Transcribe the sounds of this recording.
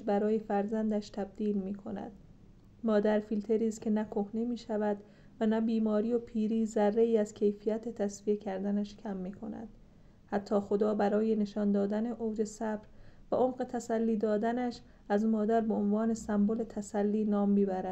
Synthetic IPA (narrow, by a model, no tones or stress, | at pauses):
bæɾɒːjefæɾzænd̪æʃt̪ʰæb̚d̪̥iːlmiːkʰo̞næ̰d̪̥ | mɒːd̪æɾfilt̪ʰe̞ɾiːskcʰe̞nækʰo̞hne̞miːʃævæd̪ | vænæbiːmɒːɾijo̞pʰiːɾiːzærːe̞iːæz̥cʰe̞jfijæt̪ʰe̞t̪ʰæsvije̞cʰæɾd̪ænæʃcʰæmːiːkʰonæ̰d̪̥ | hæt̪ʰːɒːxo̞d̪ɒːbæɾɒːje̞ne̞ʃɒnd̪ɒːd̪æne̞ʔoːd͡ʒe̞sæbɾvæʔomɢe̞t̪ʰæsælːiːd̪ɒːd̪ænæʃ | æzmɒːd̪æɾbeonvɒːne̞sæmbole̞t̪ʰæsælːiːnɒːmːiːbæɾæ